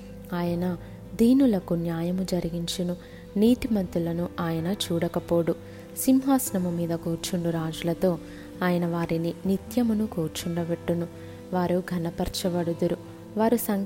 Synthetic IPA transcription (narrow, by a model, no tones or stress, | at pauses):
aːjɐnɐ | d̪iːnulɐkunjaːjɐmud͡ʒɐɾiɡiɲt͡ʃinu | niːʈimɐnt̪ulɐnuaːjɐnɐt͡ʃuːɽɐkɐpo̞ːɽu | simɦaːsnɐmumiːd̪ɐkoːɾt͡ʃuɳɖuɾaːd͡ʒulɐt̪o̞ː | aːjɐnɐʋaːɾininit̪jɐmɐnukoːɾt͡ʃuɳɖɐbeʈːunu | ʋaːɾuɡʱɐnɐpɐɾt͡ʃɐʋɐɽud̪uɾu | ʋaːɾusɐŋ